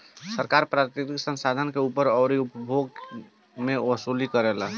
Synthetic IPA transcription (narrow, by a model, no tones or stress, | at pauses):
səɾkaɾpɾat̪iɾiksə̃nsad̪ʱənkeupəɾɔʊɾiupəbʱoɡ | meəsulikəɾɛla